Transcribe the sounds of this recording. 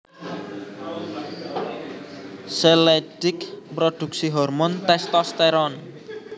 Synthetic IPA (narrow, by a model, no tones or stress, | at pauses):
seled̥ɪkpɾod̪̥uk̚siɦɔrmɔnt̪ɛst̪ɔst̪ɛɾɔn